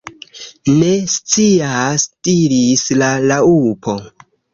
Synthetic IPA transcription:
ne̞st͡siastiɾislalaupʰo̞

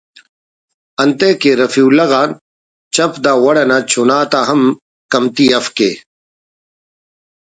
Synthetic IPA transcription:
ɐnt̪eːkeɾɐfiwlɐɣaːn | t͡ɕɐpd̪aːwɐɽɐnaːt͡ɕʰunaːt̪aɦɐm | kɐmt̪iːɐfkeː

